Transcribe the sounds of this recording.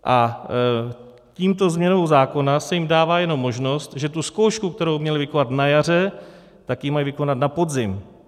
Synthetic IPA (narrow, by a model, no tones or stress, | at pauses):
ʔa | ciːmt̪o̞zmɲɛnowzaːko̞nasɛjɪmdaːvaːjɛno̞mːo̞ʒno̞st̪ʒɛt̪usko̞wʃkuk̚t̪ɛɾo̞wmɲɛlɪvɪko̞nat̪najar̝ɛ | t̪akjɪmajvɪko̞nat̪napo̞dzɪm